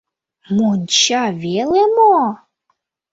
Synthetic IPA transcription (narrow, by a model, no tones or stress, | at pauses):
munʲt͡ɕavʲelemo